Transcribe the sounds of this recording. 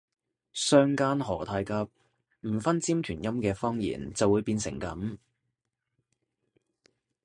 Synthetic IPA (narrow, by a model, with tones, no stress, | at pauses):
sœː˥ŋkaː˥nɦɔː˨˩t̪ʰaː˧jkɐ˧p̚ | m̩˨˩fɐ˥nt͡siː˥mt̪ʰyː˨˩njɐ˥mkɛː˧fɔː˥ŋjḭː˨˩nt͡sɐ˨wuː˨˧jpiː˧nsɪ̰˨˩ŋkɐ̰˨˥m